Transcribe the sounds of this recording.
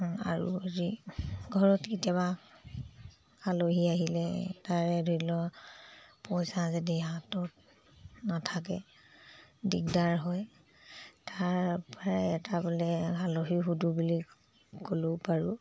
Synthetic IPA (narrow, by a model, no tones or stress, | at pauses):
a̰ɹṵaziɡʱɔɹɔtkitiaβa | aloɦiaɦilɛtaɹɛdʱoilɔ | pɔjsazadiɦatɔt | natʰakɛ | dik̚daɹɦɔj | taɹpaɹɛtabɔlɛaloɦiɦudubulik | kolopaɹu